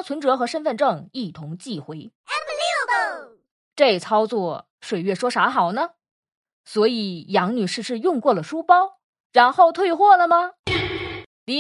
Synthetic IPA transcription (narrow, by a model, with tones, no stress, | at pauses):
t͡sʰwə˧˥nʈ͡ʂɤ˧˥xɤ˧˥ʂə˥nfə˥˧nʈ͡ʂɤ˥˧ŋi˥˩t̪ʰʊ˧˥ŋt͡ɕi˥˩xwe˧˥ɪɛ˧li˥ | ʈ͡ʂe˥˩ɪt͡sʰɑ˥ʊt͡swɔ˥˩ | ʂwe˨˩ɪɥɛ˥˩ʂwɔ˥ʂa˧˥xɑ˨˩ʊnə˧ | swɔ˧˥i˨˩˦jɑ˧˥ŋny˨˩ʂɻ̩˥˧ʂɻ̩˥˧jʊ˥˧ŋkwɔ˥˩lə˩ʂu˥pɑ˥ʊ | ɻa˧˥nxo˥˧ʊt̪ʰwe˥˧ɪxwɔ˥˩lə˩mɐ˩ | li˧˥